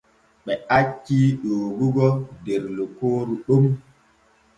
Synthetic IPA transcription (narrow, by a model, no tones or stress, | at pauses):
ɓɛat͡ʃːiɗoːɡuɡɔdɛɾlokoːɾuɗum